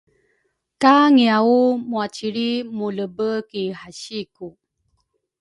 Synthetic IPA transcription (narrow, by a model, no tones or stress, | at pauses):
kaŋiaumuat͡ɕiɾimuləbəkihaɕiku